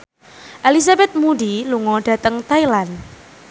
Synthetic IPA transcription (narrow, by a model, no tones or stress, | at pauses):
ʔɛlis̬abɛt̪̚muɖiluŋɔɖ̥ä̤t̪əŋt̪ailan